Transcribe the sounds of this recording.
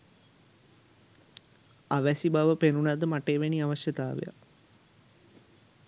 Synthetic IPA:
aʋæsibaʋəpenunad̪əmaʈeːʋeniaʋaʃjət̪aːʋḛja̰

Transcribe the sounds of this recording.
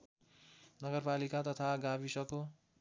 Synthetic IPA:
nʌɡʌrpalikat̪ʌt̪ʰaɡabisʌko

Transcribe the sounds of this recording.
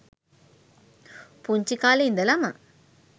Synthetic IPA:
puɲt͡ʃikaːleind̪əlamə

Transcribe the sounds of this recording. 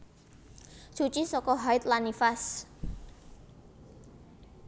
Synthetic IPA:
sut͡ʃisɔkɔɦaɪt̪lanifas

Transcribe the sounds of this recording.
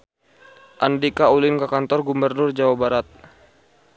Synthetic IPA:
ʔandikaulɪnkakant̪ɔrɡumbərnʊrd͡ʒawabaɾat̪̚

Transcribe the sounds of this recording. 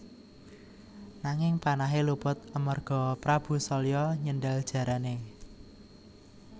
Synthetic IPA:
naŋɪŋpanaɦelupʊt̪̚əmərɡ̥ɔ̤pɾab̥ṳsɔlijɔɲəndald̥ʒ̥ä̤ɾane

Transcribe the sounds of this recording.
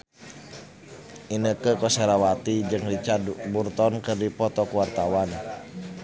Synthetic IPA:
ʔinəkəkɔseɾawat̪id͡ʒɨŋrit͡ʃaburt̪ɔnkɨrdipɔt̪ɔkuwart̪awan

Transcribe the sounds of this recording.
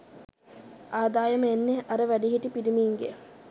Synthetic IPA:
aːd̪aːjəməenːeʔaɾəʋæɖiɦiʈipiɾimiːŋɡḛ

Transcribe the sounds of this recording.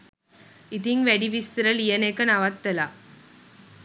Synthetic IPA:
it̪iŋkʋæɽiʋist̪ɾəlijənekənaʋat̪ːəla

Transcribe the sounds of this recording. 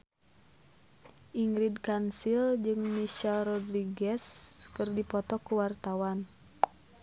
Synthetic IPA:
ʔiŋɾidkansild͡ʒɨŋmiʃɛlrɔdɾiɡɛskɨrdipɔt̪ɔkuwart̪awan

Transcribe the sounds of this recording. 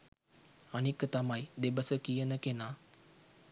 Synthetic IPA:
anikət̪amajd̪ebəsəkijənəkenaː

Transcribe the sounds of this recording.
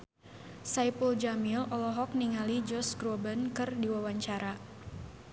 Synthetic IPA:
sajpəld͡ʒamilɔlɔɦɔk̚niŋalid͡ʒɔsɡɾɔbənkɨrdiwawaɲt͡ʃaɾa

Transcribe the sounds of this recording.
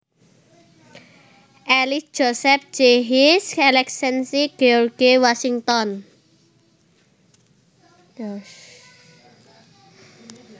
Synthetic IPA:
ʔɛlisd̥ʒ̥o̤sɛp̚d͡ʒ̥eɦiskɛlɛksɛnsiɡ̥eɔrɡiwasiŋt̪ɔn

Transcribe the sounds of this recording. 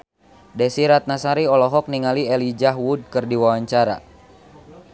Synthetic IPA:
dɛsiɾat̪̚nasaɾiɔlɔɦɔk̚niŋaliɛlid͡ʒaɦwud̚kɨrdiwawaɲt͡ʃaɾa̰

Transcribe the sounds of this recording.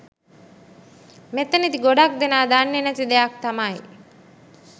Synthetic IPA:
met̪ːənit̪iɡoɖak̚d̪enaːd̪anːenæt̪id̪eak̚t̪amaj

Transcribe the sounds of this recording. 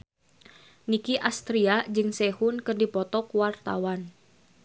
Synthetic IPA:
nikiʔast̪ɾiad͡ʒɨŋsɛhunkərdipɔt̪ɔkuwart̪a̰wan

